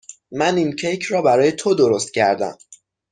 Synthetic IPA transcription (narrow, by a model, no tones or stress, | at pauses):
mænincʰejcʰrɒːbæɾɒːje̞t̪ʰod̪oɾo̞st̪̚cʰæɾd̪æ̰m